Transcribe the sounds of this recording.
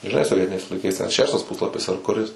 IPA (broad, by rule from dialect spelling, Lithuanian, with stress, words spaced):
ʒʲɪˈnɐɪ soːˈʋʲiɛtʲɪnʲɛɪs lˠɐɪˈkɐɪs tʲɛn ˈʃʲæːʃtɐs ˈpʊslˠɐpʲɪs ɐr kʊˈrʲɪs